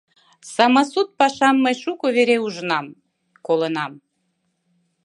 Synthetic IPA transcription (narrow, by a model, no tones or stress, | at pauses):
sɑmɑsut̪̚pɑʃɑmːəjʃukoβeɾeuʒənɑm | kolənɑm